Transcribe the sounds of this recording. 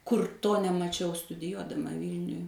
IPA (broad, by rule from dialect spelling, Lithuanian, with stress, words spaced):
ˈkʊr ˈtoː nʲɛmɐˈt͡ʃʲɛʊ stʊdʲɪˈjuɔdɐmɐ ˈʋʲiːlʲnʲʊj